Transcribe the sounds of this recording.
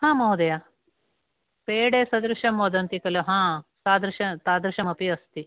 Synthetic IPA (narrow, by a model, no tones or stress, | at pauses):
ɦãːmɐːud̪ɐja | peːɽeːsɐd̪ɾuʂɐmoːd̪ɐnt̪ikɐluɦãːsaːd̪ɾuʃɐt̪aːd̪ɾuʃɐmɐpiɐst̪i